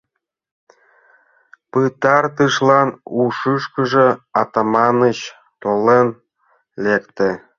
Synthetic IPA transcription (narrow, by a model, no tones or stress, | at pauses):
pɨt̪ɑrt̪ɯʃlɑnuʃɯʃkə̆ʒĕɑt̪ɑmɑnət͡ɕ | t̪olen | lekt̪ĕ